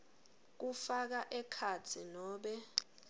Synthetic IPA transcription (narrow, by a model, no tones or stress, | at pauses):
k̬ufak̬aʔɛkʰat͡sʰinɔːɓɛ